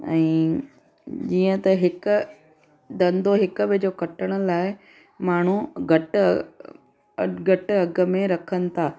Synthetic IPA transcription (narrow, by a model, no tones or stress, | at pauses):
ɛ̰̃ː | d͡ʑiːə̃t̪ɐɦɪkʊ̆ | d̪ɐ̃nd̪oɦɪkɓɪd͡ʑoːkɐʈəɽ̃ʊ̆laːɪ | maːɳ̤uɡʱɐʈ | ɡʱɐʈɐɡə̆mẽɾɐkʰənɪ̆t̪ʰaː